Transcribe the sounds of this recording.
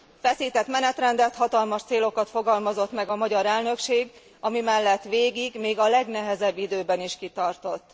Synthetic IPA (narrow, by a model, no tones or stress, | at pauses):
fɛsiːt̪ɛt̪mɛnɛt̪rɛnd̪ɛt̪hɒt̪ɒlmɒʃt̪seːlo̞kɒt̪foɡɒlmɒzo̞t̪mɛɡɒmɒɟɒɾɛlnø̞kʃeːɡ | ɒmimɛlːɛt̪ʋeːɡiɡmeːɡɒlɛɡnɛɦɛzɛbːid̪øːbɛniʃkit̪ɒrt̪o̞t̪ː